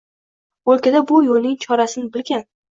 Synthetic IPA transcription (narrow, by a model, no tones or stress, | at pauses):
olˠkʲad̪abʊjolnɪŋt͡ʃʰɒɾasɪnɪbɪlɡʲan